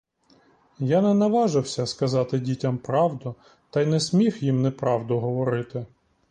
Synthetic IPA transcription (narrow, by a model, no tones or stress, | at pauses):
janɛnɐʋɑʒɪwsʲɐskɐzɑt̪ɪdʲitʲɐmpɾɑwd̪ʊ | t̪ɑjnɛsʲmʲixjimnɛpɾɑwd̪ʊɦɔʋɔɾɪt̪ɪ